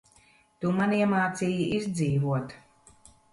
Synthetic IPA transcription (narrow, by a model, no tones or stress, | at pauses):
t̪umaniɛmaːt̪siːjiʔizʲd̪ziːvuɔt̪